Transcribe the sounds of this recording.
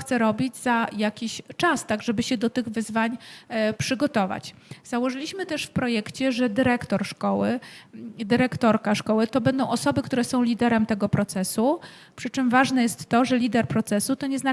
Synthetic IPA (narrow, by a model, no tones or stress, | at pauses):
t̪sɛɾɔbʲid͡ʑzajakʲiɕt͡ʂast̪aɡʐɛbɘɕɛd̪ɔt̪ɘɣvɘzvaɲpʂɘɡɔt̪ɔva̰t͡ɕz̥awɔʐɘlʲiɕmɘt̪ɛʂfpɾɔjɛkt͡ɕɛʐɛd̪ɘɾɛkt̪ɔɾʂkɔwɘ | d̪ɘɾɛkt̪ɔɾkaʂkɔwɘt̪ɔbɛnd̪ɔ̃w̃ɔsɔbɘkt̪uɾɛsɔ̃w̃lʲid̪ɛɾɛmt̪ɛɡɔpɾɔt̪sɛsu | pʂɘt͡ʂɘmvaʐnɛjɛst̪ːɔʐɛlʲid̪ɛɾpɾɔt̪sɛsut̪ɔɲɛzna